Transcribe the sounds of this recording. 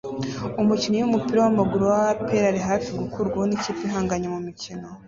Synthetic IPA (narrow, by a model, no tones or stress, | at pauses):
umucinojumupiɾawamaɡuɾowapeɾaɾeɦaːfiɡukuɾɡwaniciːpinɦaːŋɡaɲemumicino̞